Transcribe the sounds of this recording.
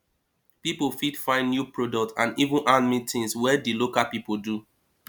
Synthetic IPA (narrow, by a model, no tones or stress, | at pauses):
pipofidfãɪ̃nnjupɹodɔk̚tã̰nivũnʔãnmĩtĩnswɛdilokapipodu